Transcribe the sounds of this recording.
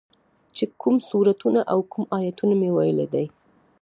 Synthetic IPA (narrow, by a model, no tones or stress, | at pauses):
t͡ʃekumsuɾat̪unaʔawkumɑjat̪unamewajəled̪aj